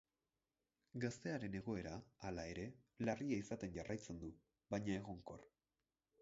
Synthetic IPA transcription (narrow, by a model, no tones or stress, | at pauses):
ɡast̪e̞aɾe̞ne̞ɣo̞e̞ɾaːlae̞ɾe̞lariaisat̪e̞nʝarajt͡se̞nd̪u | βajɲae̞ɣo̞ŋko̞̰r